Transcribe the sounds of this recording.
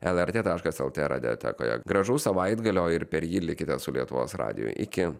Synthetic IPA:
ɛlˠɛɾʲt̪ʲeːt̪ɑːʃkɐsɛ̰lˠt̪ʲḛːɾɐ̰d̪ʲɛ̰t̪ʲɛ̰ːko̰ːjɛ̰ɡɾɐʒuːsɐʋɐɪd̪ɡɐlʲoːɪɾpʲɛɾjiːlʲɪkʲɪt̪ʲɛsʊlʲiɛt̪ʊʋo̰ːsɾɑ̰ːd̪ʲɪ̰jʊ̰jʔɪ̰kʲɪ

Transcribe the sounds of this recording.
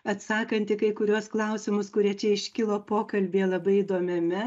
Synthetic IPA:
ɐt̪sɑːkɐnʲt̪ʲɪkɐɪkʊɾʲuɔsklˠɐʊsʲɪmʊskʊɾʲiɛt͡ʃʲɛɪʃʲkʲɪlˠoːpoːkɐlʲbʲeːlˠɐbɐɪid̪oːmʲɛmʲɛ

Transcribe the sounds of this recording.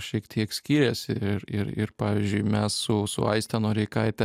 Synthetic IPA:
ʃʲiɛkt̪ʰʲiɛksʲkʲiːɾʲɛsʲɪɪɾɪɾɪ̰ɾpɑːʋʲiɪzʲd͡ʒʲʊɪmʲɛssʊsʊ̰ɐ̰ɪsʲt̪ʲɛnoːɾʲɛɪkɐɪt̪ʲɛ

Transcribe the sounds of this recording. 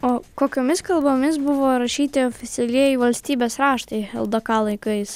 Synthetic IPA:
oːkoːkʲoːmʲɪskɐlˠboːmʲɪs̬bʊʋoːɾɐʃʲiːt̪ʲɪoːfʲɪt̪sʲɛlʲiɛjɪʋɐlʲsʲt̪ʲiːbʲeːsɾɑːʃt̪ɐɪɛ̰lˠd̪okɑːlˠɐɪkɐɪs

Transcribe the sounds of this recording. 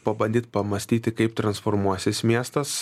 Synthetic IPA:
pɐbɐnʲd̪ʲiːt̪pɐmɐsʲt̪ʲiːt̪ʲɪkɐɪpt̪ɾɐnsfɔɾmuɔsʲɪsmʲiɛst̪ɐs

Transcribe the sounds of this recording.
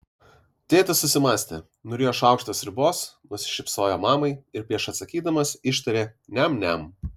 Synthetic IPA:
t̪ʲeːt̪ɐsʊsʲɪmɑːsʲt̪ʲḛ | nʊɾʲeːjoːʃɑˑʊkʃt̪oːsɾʲɪboːsnʊsʲɪ̥ʃʲɪpsoːjoːmɑːmɐɪɪɾpʲɾʲiɛʃɐt̪sɐkʲiːd̪ɐmɐsɪʃt̪ɐɾʲeːnʲɛmnʲɛm

